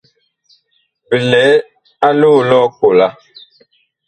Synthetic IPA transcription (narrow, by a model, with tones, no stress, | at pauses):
pə˨lɛ˨˦ | a˦loː˦˨lɔ˦ko˨la˦